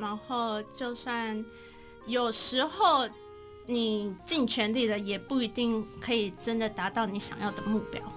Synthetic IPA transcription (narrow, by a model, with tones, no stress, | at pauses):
na˧˥nxo˥˧ʊt͡ɕjo˥˧ʊswa˥˩n | jo˨˩ʊʂɻ̩˧˥xo˥˩ʊ | ni˨˩t͡ɕi˥˩ŋt͡ɕʰɥɛ˧˥nli˥˩d̪ə˩jɛ˨˩pu˥˩i˧˥t̪i˥˩ŋkʰɤ˧˥i˨˩ʈ͡ʂə˦nd̪ə˨t̪a˧˥t̪ɑ˥˩ʊni˧˥ɕjɑ̰˨˩ŋjɑ˥˩ʊd̪ə˩mu˥˩pjɑ̰˥ʊ